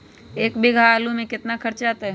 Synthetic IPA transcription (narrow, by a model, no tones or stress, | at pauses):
eːkbɪɡʱaːlumẽkɪt̪nakɐɾt͡ʃaːt̪eɦ